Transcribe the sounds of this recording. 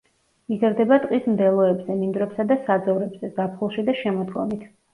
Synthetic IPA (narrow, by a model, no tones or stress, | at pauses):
izaɾd̪ɛbat̪ʼqʼismd̪ɛlˠɔɛbzɛnind̪ɾɛpsad̪asad̪zɔvɾɛbz̥ɛzapʰχulˠʃid̪aʃɛmɔd̪ɡɔmit̪ʰ